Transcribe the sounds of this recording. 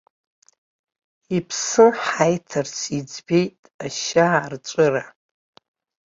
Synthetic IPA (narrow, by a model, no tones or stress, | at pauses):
ipʰsɨħajtʰɨrt͡sʰid͡zbejtʼaʃart͡ʃʷʼʊra